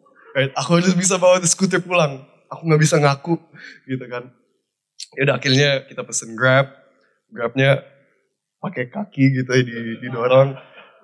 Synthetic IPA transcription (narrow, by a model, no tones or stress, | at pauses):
ɾajt̪̚akuɦalʊs̬bis̬abawat̪sə̥kut̪̬ərpulaŋ | akuŋɡabisaŋakuɡit̪ukan | jaudaakɪlɲakit̪apəsənɡɾɛp̚ | ɡɾap̚ɲa | pakekakiɡit̪uɛdididoɾaŋ